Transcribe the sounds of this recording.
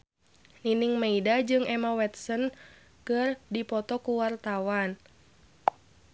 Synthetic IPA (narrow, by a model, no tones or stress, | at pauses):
niniŋmeidad͡ʒɨŋɛmawɛt̪̚sən | kɨrdipɔt̪ɔkuwart̪awan